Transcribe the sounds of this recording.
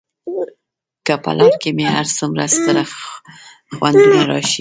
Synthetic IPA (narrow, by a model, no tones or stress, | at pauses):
kəpa̰lʔɑɾkemeɦaɾsəmɾa̰st̪əɾa | xwand̪unaɾɑ̰ʃi